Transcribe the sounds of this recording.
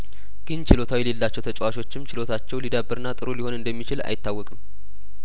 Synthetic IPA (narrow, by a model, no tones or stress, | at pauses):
ɡ̥ɨnt͡ʃʰɪlo̞t̪ʰawijɛle̞lːat͡ʃːɛwt̪ʰət͡ʃʼwaʃo̞t͡ʃːɪmt͡ʃʰɪlo̞t̪ʰat͡ʃːɛwlid̪abːɨɾɨnːat̪ʼɨɾoliho̞nɨnd̪əmːit͡ʃɪla̰jɪt̪ːawːɔkʼɨm